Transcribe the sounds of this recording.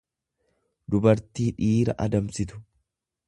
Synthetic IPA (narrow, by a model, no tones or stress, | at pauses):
d̪ʊbɐɾt̪iːᶑiːɾɐ̰ʔɐd̪ɐmsɪt̪ʊ̥